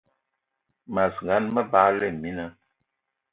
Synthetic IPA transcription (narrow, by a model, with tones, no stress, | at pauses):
ma˨sɡa˨˦nmə˦baː˨˦lɛ˦˨mi˦na˦